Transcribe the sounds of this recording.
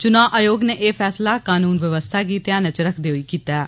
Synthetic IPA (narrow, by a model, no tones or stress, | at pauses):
t͡ʃʊnaːʔajoːɡneːʔeːpʰɛːslaːkaːnuːnʋɪʋəst̪ʰaːɡiːt̪ɪjãːnət͡ʃɾəkʰd̪eːɦoiːkiːt̪aː